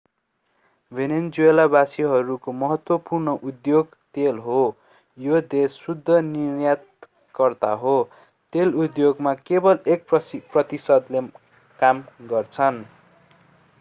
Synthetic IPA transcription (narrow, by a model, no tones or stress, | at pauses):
bʱenend͡zuelabasiɦʌɾukomʌɦʌt̪wʌpurnʌʔud̪joɡ | t̪elɦo | jod̪esːud̪ʱːʌnirjat̪̚ | kʌrt̪aɦo | t̪elud̪joɡmakebʌlek̚prʌt̪isʌd̪le | kamɡʌrt͡sʰʌn